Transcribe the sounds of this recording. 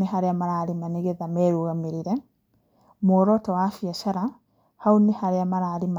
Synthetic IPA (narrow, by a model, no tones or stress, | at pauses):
eɦaɾeamaɾaːɾimaneɣeðamɛɾuɣamiɾiɾɛ | mɔːɾɔtawafiaʃaɾa | haunehaɾeamaɾaːɾima